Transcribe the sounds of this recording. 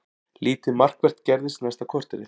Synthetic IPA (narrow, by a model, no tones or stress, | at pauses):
liːt̪ɪmar̥kvɛr̥t̪cɛɾðɪst̪nɛst̪akʰɔr̥t̪ɪɾɪ